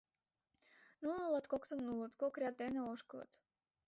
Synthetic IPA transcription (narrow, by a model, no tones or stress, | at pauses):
nunulˠɑt̪kokt̪ənːulˠət̪kokɾʲad̪̚eneoʃkəlˠə̰t̪